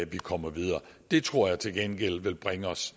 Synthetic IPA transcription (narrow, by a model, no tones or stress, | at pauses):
æʋikʰɒ̽m̰ɐʋið̞ˠɐːd̥e̝t͡sʰʁo̝ɐ̰jɑ̈ɪt͡sʰe̝lɡ̥enɡ̥el̰ʋe̝lb̥ʁaŋəɒ̽s